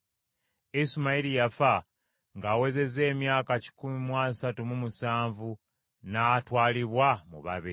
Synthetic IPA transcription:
isimaiɾijafa | ŋɡaːwe̞ze̞ze̞ːmjaːkaci̥kumimwaːsatumumusaːɱvu | naːtwaːliβwamṵβa̰βii

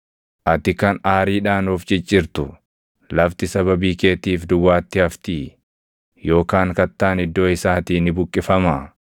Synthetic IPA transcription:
ʔɐt̪ɪkɐnaːɾiːᶑaːnoːft͡ʃʼɪt͡ʃʼːɪɾt̪ʊ | lɐft̪ɪsɐβɐbiːke̞ːt̪iːfd̪ʊwaːt̪ːɪɐft̪iː | jo̞ːkaːŋkɐt̪ːaːnɪd̪ːo̞ːɪsaːt̪iːnɪbʊkʼːɪfɐmɐ

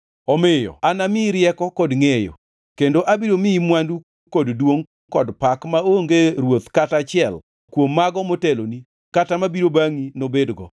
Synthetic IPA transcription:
ɔmɪjɔ̰anamɪɾjɛkɔkɔdŋejo̰ | kendoʔabiɾomɪimwandu | koddwoŋ | kɔdpakmaoŋɡeɾwot̪katat͡ʃɪɛl | kwomːaɡɔmoteloni | katamabiɾobaŋinobedɡɔ̰

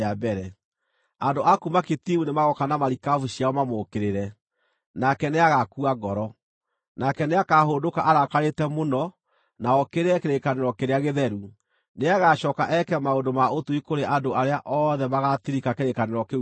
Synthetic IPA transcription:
abɛɾɛ | andoʔakumaketimunemaɣɔkanamaɾikavuɕiaɔmamokeɾeɾɛ | nakɛneaɣakuaɡɔɾɔ | nakɛneakaɦodokaʔaɾakaɾetɛmonɔ | naɔkeɾeɾɛkeɾekaneɾɔkeɾeaɣeðɛɾu | neaɣaʃɔkaʔɛkɛmaondomaotuikoɾeʔadoaɾeaʔɔðɛmaɣatiɾikakeɾekaneɾɔke

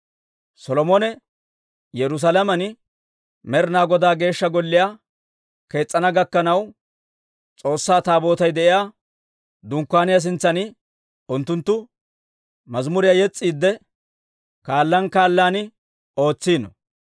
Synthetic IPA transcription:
sɔlɔmɔnɛ | jɛɾʊs̬alɐmɐnɪ | mɛɾnaːɡɔd̪aːɡe̞ːʃːɐɡɔlːɪjaː | ke̞ːt͡sʼːɐnɐɡɐkːɐnɐw | t͡sʼo̞ːsːaːt̪aːbo̞ːt̪ɐjd̪ɛʔɪjaː | d̪ʊŋkːaːnɪjas̬ɪnt͡sːɐnɪ | ʊnt̪ːʊnt̪ːʊ | mɐzmʊɾɪjajɛt͡sʼːiːd̪ːɛ | kaːlːɐnkaːlːaːnɪ | o̞ːt͡sːiːnɔ̰

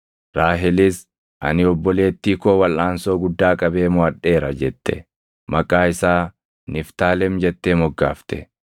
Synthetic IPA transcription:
ɾaːɦɪlɪs | ʔɐ̰nɪɔbːɔle̞ːt̪ːiːkoːwɐlʔaːnsoːɡʊd̪ːaːkʼɐbe̞ːmʊɐɗːe̞ːɾɐd͡ʒɛt̪ːɛ̰ | mɐkʼaːɪsaː | nɪft̪aːlɛmd͡ʒɛt̪ːeːmɔɡːaːft̪ɛ̰

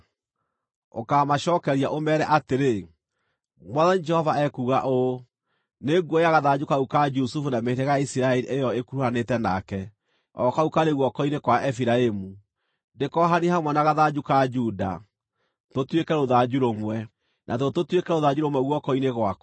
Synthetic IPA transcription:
o̰kamaʃɔkɛɾiaʔomɛɾɛʔateɾe | mwaðanid͡ʒɛhɔvaɛkuɣaʔo | neɡɔjaɣaðad͡ʒukaukad͡ʒusufunameiɾeɣaaisiɾaɛɾiʔejɔekuɾuhanetɛna̰kɛ | ɔkaukaɾeɣwɔkɔinekwaʔɛfiɾaemu | ndekɔɦanihamwɛnaɣaðad͡ʒukad͡ʒuːda̰ | totwekɛɾoðad͡ʒuɾomwɛ | nʔa̰tototwekɛɾoðad͡ʑuɾomwɛɣwɔkɔineɣwak

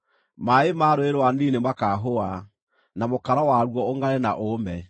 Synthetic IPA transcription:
maemaːɾoeɾowaniːnemakaɦoa | namokaɾawaɾwɔoŋɡaɾena̰ʔomɛ

